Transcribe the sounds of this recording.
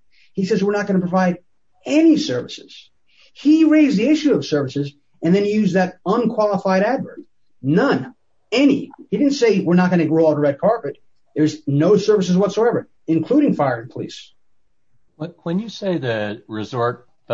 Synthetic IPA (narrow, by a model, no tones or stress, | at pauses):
hisɛzwɨɹnət̚ɡ̥ʌnəpʰɹ̥əvaɪɾ | ɛnisɜ˞vɨsɪz̥ | hiɹeɪzðiɪʃʉʌv̥sɜ˞vɨsɨz | ɨ̃nðɨ̃njʉzðɨɾʌ̃nkʰw̥ɑlˠəfaɪɾædvə˞d | nʌ̃n | ɛnḭhiɾɪdⁿn̩seɪwɪɹnət̚ɡ̥ʌñɨɡɹɔlˠɾəɹɛd̚kʰɑɹpɨt̪̚ | ðə˞znoʊsɜ˞vɨs̬ɨzwʌtsoʊɛvə˞ | ɨ̃nkʰl̥uɾɪ̃ŋfaɪə˞ɨ̃npʰəlḭs | wʌwɨ̃njɨseɪðɨɹɪzɔɹt̚